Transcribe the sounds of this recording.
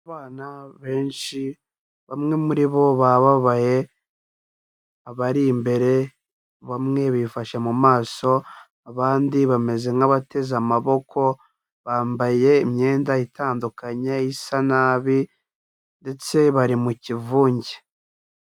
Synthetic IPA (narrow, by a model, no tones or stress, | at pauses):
aβaːnaβe̞ːnʃi | βamŋe̞muɾiβo̞βaβaβaje̞ | aβaɾimbe̞ɾe̞ | βamŋe̞βifaʃamumaːso̞ | aβaːndiβame̞ze̞ŋaβate̞zamaβo̞kʰo̞ | βaːmbaje̞imɲe̞ːndaitaːndukaɲeisanaːβi | nde̞t͡se̞βaɾimucivuːɲɟe